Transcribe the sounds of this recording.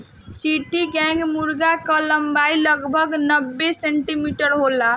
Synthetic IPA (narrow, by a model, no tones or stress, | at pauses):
t͡ʃiʈiɡɛ̃ŋɡmuɾɡakələmbailəɡbʱəɡnəbːeseɳʈimiʈəɾɦola